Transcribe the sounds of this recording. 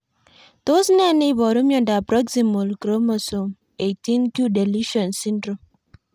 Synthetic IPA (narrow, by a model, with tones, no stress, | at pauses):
to˦sna˦˨ni˦bɔ˨ɾo˦mjɔ˦˨nda˨pɾɔ˦ɡsi˨mo˨lkɾo˦mo˨so˨m | e˨ti˦nkju˦de˨li˦ʃɔ˨nsi˦ndɾo˨m